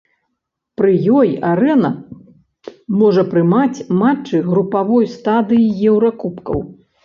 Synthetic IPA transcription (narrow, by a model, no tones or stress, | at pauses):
pɾɨjɔjaɾɛnɐ | mɔʐɐpɾɨmat͡sʲmat͡ʂːɨɣɾupavɔjst̪ad̪ɨjijɛwɾakupkɐ̰w